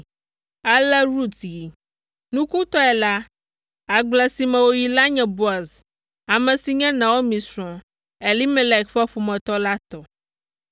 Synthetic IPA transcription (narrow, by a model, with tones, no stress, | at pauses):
a˨lɛ˦ɾu˦t̪ji˨ | nũ˦ku˦t̪ɔ˦ɛ˨la˦ | a˨ɡ͡blɛ˨si˨mɛ̃˨wo˦ji˨la˦ɲɛ̃˨bu˦a˨z | a˨mɛ̃˨si˨ɲɛ̃˦nã˨wo˦mĩ˨sɾɔ̃˨ | ɛ˨li˦mɛ˦lɛ˨kɸɛ˦ɸu˨mɛ̃˨t̪ɔ˦la˦t̪ɔ˨